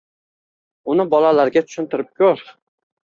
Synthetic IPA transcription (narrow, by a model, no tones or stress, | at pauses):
ʊnɪbɒlalaɾɡʲat̪ʰʊ̥ʃɪnt̪ɪɾɪp̚kʲʰɵɾ